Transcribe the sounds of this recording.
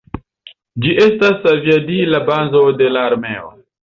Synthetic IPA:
d͡ʒiʔe̞stasaviadilabazo̞de̞laːɾme̞o

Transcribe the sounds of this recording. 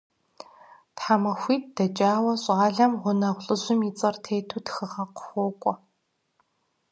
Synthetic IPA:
tħamɐxʷiːt̚d̥ɐt͡ʃʼaːwɐɕʼaːɮɐmʁʷʊnɐʁʷɬʼɨʑʷɪmit͡sʼɐrtʰeːtʰuːtxɨʁɐqxʷoːkʷʼɔ

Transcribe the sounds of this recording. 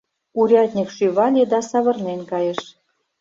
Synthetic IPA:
uɾʲɑt̪ʲnʲikʃyβɑlʲed̪ɑsɑβɤ̆rnenʲkɑjə̆ʃ

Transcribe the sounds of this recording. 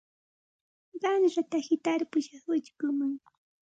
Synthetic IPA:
ɢɑnɾat̪ahɪt̪aɾpʊʃɑχwɪt͡ʃkʊmaŋ

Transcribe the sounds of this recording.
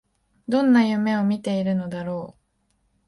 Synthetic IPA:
d̪õ̞nːajɯ̟me̞o̞mʲit̪e̞iɾɯ̟no̞d̪aɾo̞ː

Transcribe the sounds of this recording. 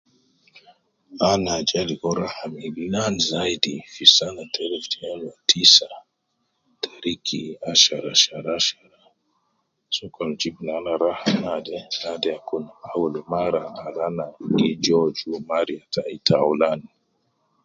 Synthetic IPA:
anad͡ʒalikɔɾahamilinanzaidifisanatʰɛɾɛftiɛnatʰisa | tʰaɾikʰiaʃaɾaʃaɾaʃaɾa | sukɔnd͡ʒibunanaɾahamnadɛnadɛakunaawulɔmaɾanalanaɡid͡ʒɔd͡ʒumaɾiatʰaitaulani

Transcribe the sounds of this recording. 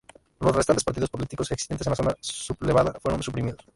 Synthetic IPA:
losrest̪ant̪espaɾt̪iðospolit̪ikoseksi̥sent̪esenlasonasuβleβaðafwe̞ɾõnsupɾimiðos

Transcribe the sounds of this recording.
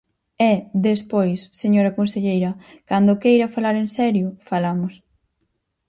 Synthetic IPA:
ɛðespojsːeɲoɾɐkõnseʎejɾɐ | kand̪ʊkejɾɐfalaɾensɛɾjʊfalamʊs

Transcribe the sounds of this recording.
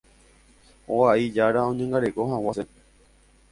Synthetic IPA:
oaid͡ʒaɾaõ̞ɲẽŋɡaɾeko̞ɦãwase

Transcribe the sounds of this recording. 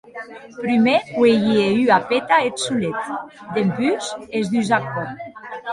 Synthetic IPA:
pɾymeweʝieyapet̪aet̪sulet̪ | d̪empyzezd̪yzak̚on

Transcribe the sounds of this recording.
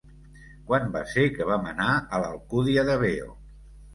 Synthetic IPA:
kwanba̰sekəβ̞amənaələlˠkuðiəðəβeo̰

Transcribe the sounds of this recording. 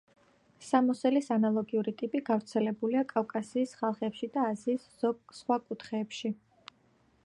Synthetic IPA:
samɔsɛlisanalˠɔɡiuɾit̪ʼipʼiɡavɾt̪sʰɛlɛbuliakʼavkʼasiːsχalˠχɛpʃid̪aːziːs | ɔsχwakʼut̪ʰχɛːpʃi

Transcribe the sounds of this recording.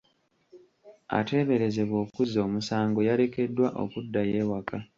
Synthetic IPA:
a̰te̞ːβe̞ɾe̞ze̞βo̞ːkuzo̞ːmusaːŋɡo̞jaɾe̞ke̞dːwaʔo̞̰kudːaje̞ːwaka

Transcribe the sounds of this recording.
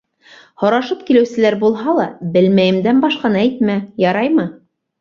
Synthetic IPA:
hŏɾɑʃɤpkilɘ̆wsɘ̆læɾbulˠɦɑlˠɑbɘlmæjɘ̆md̪ænbɑʃqɑnɤæjt̪mæjɑɾɑjmɤ

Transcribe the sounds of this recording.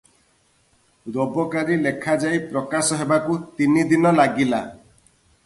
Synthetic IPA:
ɾobɔkaɾilekʰad͡ʒajpɾɔkasɔɦebakut̪inid̪inɔlaɡila̰

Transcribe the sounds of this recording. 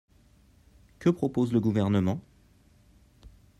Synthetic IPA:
kəpχɔpozləɡuvɛʁnəmɑ̃

